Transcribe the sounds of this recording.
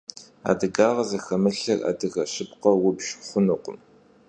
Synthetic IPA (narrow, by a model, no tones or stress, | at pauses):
a̰ːdɨɡaːʁɐzɐxɐmɨɬɐra̰ːdɨɣɐɕɪpqɐwʊbʃχʷʊnuqʷʊ̰m